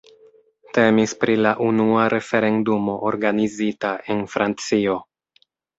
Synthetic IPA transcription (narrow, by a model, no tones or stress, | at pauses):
te̞mispɾilaʔunuaɾʔe̞fe̞ɾe̞ndumo̞ʔoɾɡanizitae̞nfɾant͡sio̞